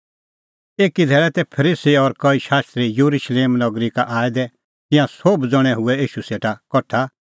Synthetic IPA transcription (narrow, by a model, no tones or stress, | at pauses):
eːkid̪ʱɛːɾɛt̪ɛpʰəɾiːsiɔɾkɔiʃaːst̪ɾijuɾuʃleːmnɔɡɾikaʔaːd̪ɛ | t̪ɪ̃jãsoːbd͡zɔɽ̃ɛɦʊɛiːʃuseːʈakɔʈʰa